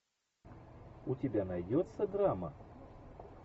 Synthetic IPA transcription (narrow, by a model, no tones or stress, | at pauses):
utʲabʲanajd͡zʲɔt̪sːɐd̪ɾamɐ̰